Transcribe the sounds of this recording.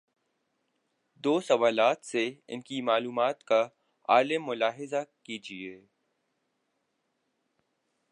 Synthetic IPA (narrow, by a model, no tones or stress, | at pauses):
d̪oːsɐʋaːlaːt̪seɪ̰nkimaːluːmaːt̪ka | a̰ːlɪmːʊlaːɦɪzakiːd͡ʒieː